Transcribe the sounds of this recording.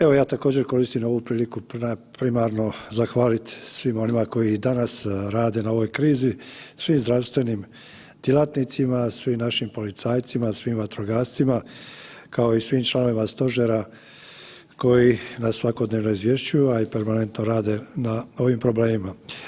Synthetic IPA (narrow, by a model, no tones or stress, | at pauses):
e̞ʋo̞jaːt̪ako̞ːd͡ʑe̞ɾko̞ɾist̪imo̞ʋupɾiːlikupapɾimaɾno̞zaxʋaːlit̪sʋimo̞nimako̞jid̪anasɾaːd̪e̞nao̞ʋo̞jkɾiːzisʋiːmzd̪ɾaʋst̪ʋe̞niːm | d̪̥jelˠat̪nit̪simasʋiːmnaʃimpo̞lit̪saːjt̪simasʋiːmʋat̪ɾoɡaːst̪sima | kao̞isʋiːmt͡ʃlˠano̞ʋimast̪o̞ʒeɾa | ko̞jinasːʋako̞d̪neːʋno̞izʋje̞ʃt͡ɕujuaipe̞ɾmane̞nt̪no̞ɾaːd̪e̞nao̞ʋimpɾo̞ble̞ːmima